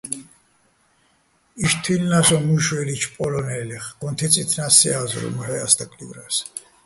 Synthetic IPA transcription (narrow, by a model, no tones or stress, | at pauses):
iʃt̪ʰinːasɔmuʃwɛlit͡ʃʰpʼɔlɔnɛlɛχɡ̥ɔnt̪ʰit͡sʼit̪ʰnasiaz̰ɾṵmhɛa̰st̪akʼlivɾɛs